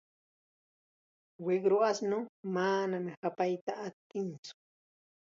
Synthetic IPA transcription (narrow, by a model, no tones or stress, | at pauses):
weɡɾoasnʊmanamɪhapajt̪aːt̪ːɪnt͡sʊ̥